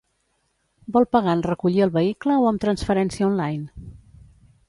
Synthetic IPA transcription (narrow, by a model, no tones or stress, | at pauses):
bɔlˠpəɣanrəkuʎiəlˠβəikləoəmt̪ɾənsfəɾɛnsiəɔnlajn